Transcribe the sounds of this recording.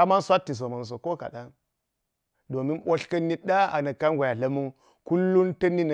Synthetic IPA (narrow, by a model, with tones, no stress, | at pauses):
a˦ma˦nsʷa˦tːi˨s̬o˨ma˨n˨s̬o˨ko˦ka̰˨ɗa˦n | do˨mi˦nɓo˦ɬkɐ˦nːi˦ɗa˦a̰˨nɐ˨ka˦nɡʷa˨ja˨lɐ˦mu˦n | ku˦lːu˦ntɐ˦ni˦n˨